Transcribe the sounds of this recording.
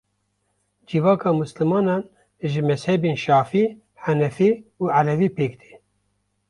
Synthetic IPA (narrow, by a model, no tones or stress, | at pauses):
d͡ʒivɑːkʰɑːmuslɨmɑːnɑːn | ʒɨmɛshɛbeːnʃɑːfiː | ħænɛfiːuːʕalɛviːpʰeːkd̪e̥ː